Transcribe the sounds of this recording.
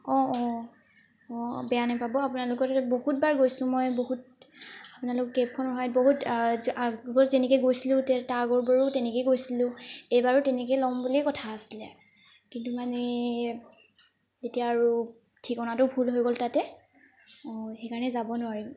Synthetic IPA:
ɔɔ̃ | ɔbɛjanapabɔapunalʊkɔtbohut̚baɹɡojsʊ̃mɔjboɦut̚ | apʊnalʊkɔkɡepʰɔnɔɦɔjɔt̚boɦutabɔzenɛkejɡojsilʊ̃tɛtaɡɔɹbaɹutɛnɛkejɡojsilʊ̃ejbaɹʊtɛnɛk̬ejlɔmbuliɛkɔtʰaːsilɛ | kintumanɛ | zetijaːɹu | tʰikɔnatʊbʱulɦojɡoltatɛ | ɔxekaɹɔnɛzabɔnʊaɹim

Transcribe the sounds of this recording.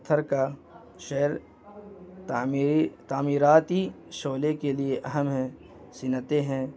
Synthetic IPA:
t̪ʰːəɾka | ʃeːəɾ | t̪aːmiːɾaːt̪i | ʃoːlekelieʔɐɦəmɦɛ̃ | sɪnət̪eɦɛ̃ː

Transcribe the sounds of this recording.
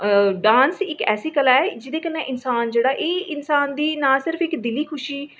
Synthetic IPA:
ɖãːnsɪkɛ̰ːseːkəlaɛd͡ʒɪd̪eːkənẽːʔɪnsaːnd͡ʒeːɽaːʔeːɪnsaːnd̪iːnaːsɪɾəpɪkd̪ɪliːkʰʊʃiː

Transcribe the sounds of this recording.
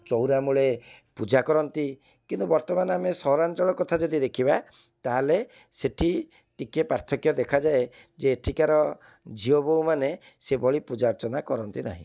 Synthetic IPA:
t͡ʃɔwɾamuɭepud͡ʒakɔɾɔnt̪i | kint̪ubɔɾt̪ɔmanamesɔɦɾant͡ʃɔɭɔkɔt̪ʰad͡ʒɔd̪id̪ekʰiba | t̪aɦale | seʈʰi | ʈikepɾaɾt̪ʰɔkjɔd̪ekʰad͡ʒae | d͡ʒeːʈʰikaɾɔ | d͡ʒiɔboumane | sebɔɭipud͡ʒaɾt͡ʃɔnakɔɾɔnt̪ina̰ɦḭ̃

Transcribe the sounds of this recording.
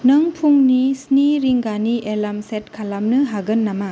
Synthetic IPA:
nɐŋpʰuŋnisniɾiŋɡaniʔelamset̚kʰalamnɯɦaɡɯnːama

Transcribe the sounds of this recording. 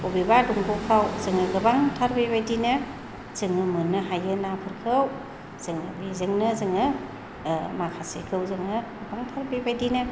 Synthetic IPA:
obibaduŋbukʰawzɯŋɯɡɯbaŋtʰaɾbebajdinɯ | z̥ɯŋɯmɯnɯɦajɯnapʰɯɾkʰɯw | z̥ɯŋɯbizɯŋnɯzɯŋɯ | makʰasikʰɯwzɯŋɯɡɯbaŋtʰaɾbebajdinɯ

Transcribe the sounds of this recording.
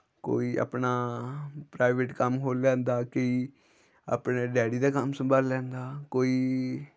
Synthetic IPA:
ko̰ːiːʔa̰pnaːpɾaːɪʋeʈkəmɦoːlːɛ̃ːnd̪aːkɪ | a̰ːpneːɖɛːɽiːd̪aːkəmsəmbaːlːɛ̃ːnd̪aːkoːiː

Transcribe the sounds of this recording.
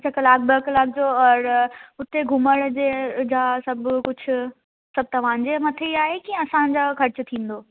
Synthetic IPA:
t͡ɕʰɐkɐlaːk̚bəklaːk̚d͡ʑoɔɾʊt̪eɡʱʊməɽd͡ʑed͡ʑasɐbkʊd͡ʑʰʊ̆ | sɐb̚t̪ɐʋ̤ãːn̆d͡ʑemɐt̪ʰeiaːɦekiɐsãd͡ʑakʰɐɾt͡ɕʊt̪ʰĩːn̆d̪oː

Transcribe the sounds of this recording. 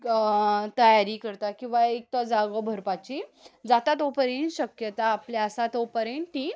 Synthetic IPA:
t̪əjaɾiːkəɾt̪akĩw̃ʋaek̚t̪ɔd͡zaɡɔbʱəɾpat͡ɕid͡zat̪at̪ɔpəɾenɕəkjət̪aːpljaəsat̪ɔpəɾeɳʈ̪i

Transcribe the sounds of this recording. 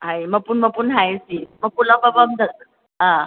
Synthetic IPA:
ɦãjməɡ̚puːɳməɡ̚puːnɦajsiməɡ̚pulabəbəmd̪ʱət̪ | ɦã

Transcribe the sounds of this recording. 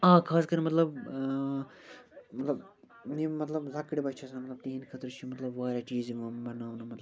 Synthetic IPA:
ãːkʰaːskɐɾimɐt̪lɐb | mɐt̪lɐb | nimɐt̪lɐbzɐkːɽibɐt͡ʃʰɐsɐnmɐt̪lɐb̚t̪iːnkʰɐt̪ɾt͡ʃʰimɐt̪lɐbʋaːɾʲat͡ʃiːzmɐbɐnaːwnɐmɐt̪lb

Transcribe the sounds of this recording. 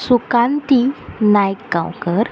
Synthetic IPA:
sukãnt̪inajkːã̰wkəɾ

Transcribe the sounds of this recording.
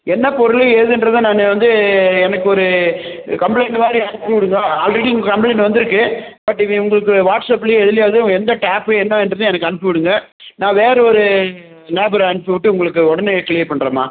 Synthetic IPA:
ɛnːɐpɔɾɯɭɯeːðɯɪndɾɐðɯ̃naːnːeʋɐnd̪ɯɛnɐkːɯɔɾɯkɐmpleɪnmaːdɾiɐnɪpːɯʋɪɽɯŋɡɐɐlɾɐʈːɪʊŋɡɐkɐmpɭeɪnʋɐnd̪ɪɾɯkːɯbɐʈːɪʋiʊŋɡɐɭɯkːɯʋaːʈsɐpːɪlɛðɪlɪjaːðɯɛnd̪ɐʈaːpɯɛnːɐ̃ɛndrɐðɯ̃ɛnɐkːɐnɪpːɯʋɪɽɯŋɡɐ | nãːʋeːɾɐɔɾɯ | leːbɐɾɐɳɪpːɯʋɪʈːɯʊŋɡɐɭɯkːɯɔɽɐnekɪlɪjɐɾpɐɳːɾɐːma̰ː

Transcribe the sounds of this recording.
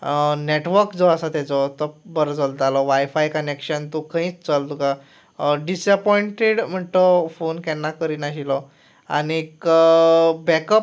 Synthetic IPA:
neʈʋəɾkd͡zɔasat̪ɛt͡sɔt̪ɔbəɾd͡zəld͡z̪alɔʋajfajkənekɕənt̪ukə̃ɦĩːt͡st͡səlt̪uka | ɖisəpɔiɳʈeɽm̤əʈ̪ɔfonkɛnːakəɾinaɕilɔ | a̰nik | bɛkəp

